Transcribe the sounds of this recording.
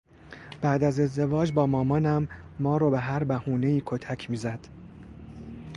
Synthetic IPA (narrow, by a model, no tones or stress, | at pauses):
b̥æʔd̪æze̞zd̪e̞vɒːd͡ʒbɒːmɒːmɒːnæmː | ɒːɾɒːbeɦæɾbæhuːne̞iːkʰot̪ʰæcʰmiːzæd̪̥